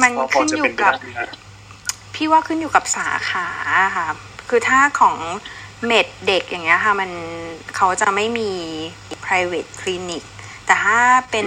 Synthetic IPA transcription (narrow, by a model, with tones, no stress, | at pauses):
ma˧nkʰɯ˥˩njuː˨˩ka˨˩p̚ | pʰiː˥˩waː˥˩kʰɯ˥˩njuː˨˩ka˨˩p̚saː˩˦kʰaː˩˦kʰa˦˥˩ | kʰɯː˧t̪ʰaː˥˩kʰɔː˩˦ŋme˨˩t̪̚de˨˩k̚ja˨˩ŋːni˦˥ɐkʰa˥˩ma˧nkʰa˦˥wt͡ɕa˨˩ma˥˩jmiː˧ʔi˨˩pʰɾaː˧jweː˨˩t̪̚kʰli˧ni˨˩k̚ | t̪ɛː˨˩t̪ʰaː˥˩pe˧n